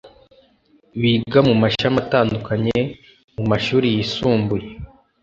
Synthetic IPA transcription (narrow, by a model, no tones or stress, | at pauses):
βiɡamumaʃamataːndukaɲe | mumaʃuːɾijisuːmbuje